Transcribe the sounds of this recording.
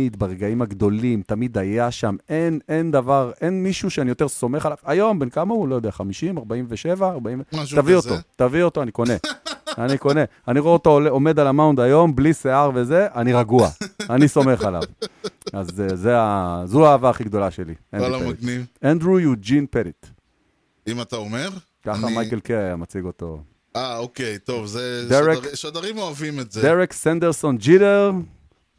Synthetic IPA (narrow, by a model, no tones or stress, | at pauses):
id̪baʁeɡaimaɡd̪o̞limt̪amid̪ajaʃamenend̪avaʁe̞nmiʃuʃeanijo̞t̪eso̞me̞χalavajo̞mbenkamaulo̞jod̪eaχamiʃimaʁbaimveʃe̞vaːʁbaimvetavio̞t̪ot̪avio̞t̪oaniko̞ne̞aniko̞ne̞ | aniʁoot̪ooleomed̪alamaund̪ajo̞mbliseaʁveze̞ʔaniʁaɡua̰aniso̞me̞χala̰vazzeazuaːvaːχiɡd̪o̞laʃelḭenpmɡnivẽnd̪ʁujud͡ʒinpeɾit | imat̪aomeʁ | kaχamajkelkeajamat͡siɡo̞t̪o̞̰ | aokejt̪ovzeddeʁeʃod̪aʁimoavimetzed̪eʁeksãnd̪eʁso̞nd͡ʒideʁ